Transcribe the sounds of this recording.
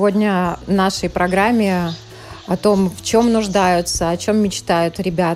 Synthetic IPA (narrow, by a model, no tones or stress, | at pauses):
vo̞dʲnʲənaʂəjpɾɐɡɾamʲːɪ | ɐt̪o̞mft͡ɕo̞mnʊʐd̪ajʊt̪səɐt͡ɕo̞mːʲɪt͡ɕt̪ajʊt̪ɾʲɪbʲa